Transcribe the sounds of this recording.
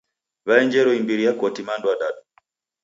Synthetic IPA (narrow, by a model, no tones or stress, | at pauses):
βaɛɲd͡ʒɛɾɔimbiɾijakɔtimandwadaɗu